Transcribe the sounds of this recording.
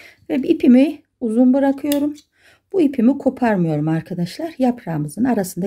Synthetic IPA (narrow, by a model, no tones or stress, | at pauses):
vɛbipʰimi | uzunbɯɾakʰɯjo̞ɾum | b̥uipʰimikʰo̞pʰaɾmɯjo̞ɾumaɾkʰad̪aʃlˠaɾjapʰɾaːmɯzɯnaɾasɯnd̪a